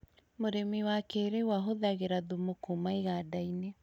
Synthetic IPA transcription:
moɾemiwakeːɾewaɦoðaɣeɾaðumokumaeɣaːdaine

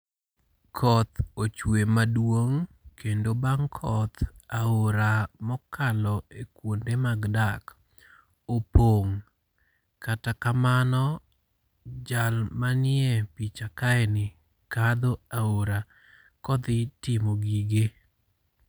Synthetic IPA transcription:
kʰɔt̪ot͡ʃwemadwoŋkʰendobaŋkʰɔt̪aoɾamɔkalɔekwondemaɡdak | opoŋ | katakamanɔ | d͡ʒalmanɪɛpit͡ʃakaɛnɪ | kad̪oaoɾa | kɔd̪ɪtɪmoɡiɡe

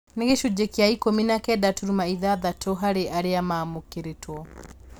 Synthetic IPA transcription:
neɣeʃud͡ʒɛkiaikɔminakɛdatuɾumaiðaðatʰɔɦaɾeʔaɾeamamukeɾetwɔ

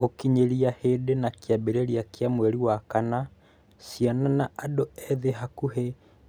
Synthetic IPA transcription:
okiɲeɾiahedenakjabeɾeɾiakjamwɛɾiwakana | sjananaʔadoɛðeɦakuɦe

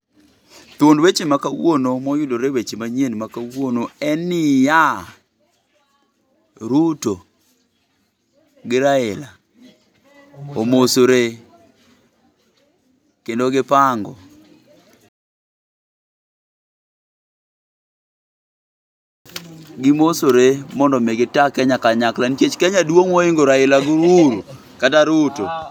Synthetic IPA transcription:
t̪ondwet͡ʃemakawonomɔjʊdoɾewet͡ʃemaɲenmakawonoɛnɪja | ɾuto | ɡɪɾaɪla | omosoɾe | kendoɡɪpaŋɡɔ | ɡɪmosoɾemɔndɔmeɡɪtakɛɲakaɲaklant͡ʃet͡ʃkɛɲadwoŋoɪŋɡoɾaɪlaɡʊɾuɾu | kataɾuto

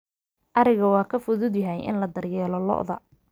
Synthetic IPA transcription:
ʔɐɾɪɣɐwɑːkʰɐfʊðʊd̪jɐɦɛjʔɪ̰nlɐd̪ɐrjɛːlɔlɔ̰ʔðɐ

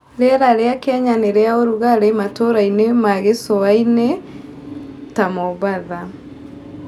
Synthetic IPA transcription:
ɾeɾaɾeakɛɲaneɾɛaoɾuɣaɾematoɾainemaɣesoaine | tamɔβaða

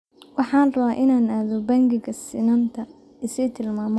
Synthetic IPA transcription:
wɑħɑːnrɐβaːʔɪnaːnaːðɔbɐŋɡɪɡɐsɪnɐnt̪ʰɐ | ɪsɛjt̪ʰɪlmaːmɔ

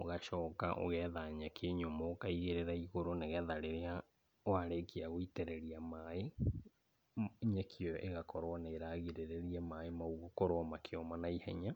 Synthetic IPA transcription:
oɣaʃɔːka̰ʔo̰ɣɛðaɲakʰeɲomɔːkaiɣeɾeɾaiɣoɾoneɣɛðaɾeɾea | oaɾekiaɣoitɛɾɛɾiamae | ɲakʰjɔjʔeɣakɔɾwaneeɾaɣiɾeɾeɾiamaemaoɣokoɾɔmakʰeɔmanaihɛ̰ɲa

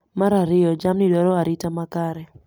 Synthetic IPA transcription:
maɾaɾɪjɔd͡ʒamniɗɔɾɔaɾitamakaɾɛ

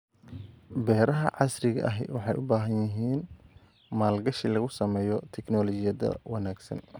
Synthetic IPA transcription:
bɛːɾɐɦɐʕɑsrɪɣɐ̰ʔɐɦwɑħɑjʔʊ̰baːɦɐnjɪɦiːn | maːlɡɐʃilɐɣʊsɐmɛːjɔt̪ʰɛknɔːlɔt͡ʃɪjɐðɐ̰wɑnaːɡsɐ̰n

